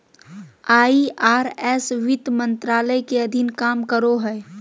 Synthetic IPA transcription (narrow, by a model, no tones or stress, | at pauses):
aːiʔaːɾɛːsʋɪt̪mə̃nt̪ɾaːləjkeɐd̪ʱɪnkaːmkəɾoɦɛː